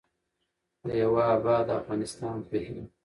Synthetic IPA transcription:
d̪əjawaːbɑd̪afɣɑːnɪst̪ɑːnpehi

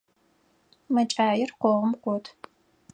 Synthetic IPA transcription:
mɐt͡ʃʼaːjɪrqʷɔʁəmqʷɔtʰ

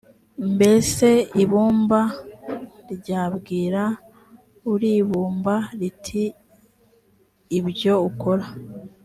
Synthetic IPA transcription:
mbe̞se̞iβuːmba | ɾiɟaːbɡiːɾa | uɾiβuːmbaɾitʰi | βɟo̞uko̞ɾa

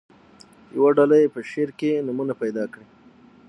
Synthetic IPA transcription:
jawaɖalajepəʃeɾkenumunapajd̪ɑkɽi

